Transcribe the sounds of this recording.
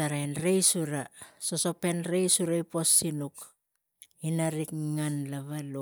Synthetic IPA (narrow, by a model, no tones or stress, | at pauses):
aɾajnɾejsuɾasoso̞pe̞nɾejsuɾajpo̞sːinuk | inaɾikŋanlaβalo